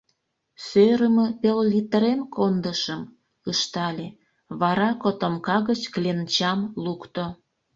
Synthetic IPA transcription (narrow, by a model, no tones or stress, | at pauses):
søɾəmə̆pelːit̪əɾemkond̪əʃəm | ɯʃt̪ɑlʲe | βɑɾɑkot̪omkɑɣət͡ɕklʲent͡ɕɑmlukt̪o